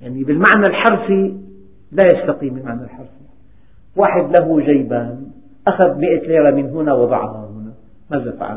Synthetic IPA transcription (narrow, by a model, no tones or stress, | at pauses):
jaʕnibɪlmaʕnalħɑɾˤfi | lajast̪ɑqiːmɪlmaʕnalħɑɾˤfi | waːħɪd̪laɦuʒajbaːn | ʔaxaðmɪʔat̪liːɾamɪnɦʊnawɑd̪ˤɑ̰ʕhɑhʊna | mazafa̰ʕa̰n